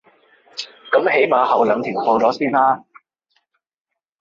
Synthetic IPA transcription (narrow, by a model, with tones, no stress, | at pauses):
kɐ˨˥mhe˨˥jmaː˨˧hɐ˨˩wlɐː˨˧ŋt̪ʰiː˨˩ŋfo˧t͡sɔː˨˥siː˥nlaː˥